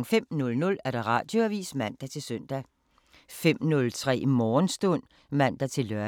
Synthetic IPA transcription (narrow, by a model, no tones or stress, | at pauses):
ŋ̩fem̰nɔ̽lnɔ̽læɐɾ̥ɑ̈ʁɑ̈ːd̥joæʋḭːsmæn̰d̥ɑt͡sʰe̝lsøn̰d̥æ | fem̰nɔ̽lt͡sʰʁɛ̰ːimɒːnsd̥ɔn̰ | mæn̰d̥ɑt͡sʰe̝lːœɐ